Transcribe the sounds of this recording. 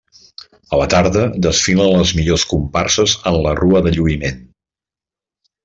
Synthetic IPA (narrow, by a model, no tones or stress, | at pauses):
ələt̪aɾðəd̪əsfilənləzmiʎoskumparsəzənləruəðəʎuimen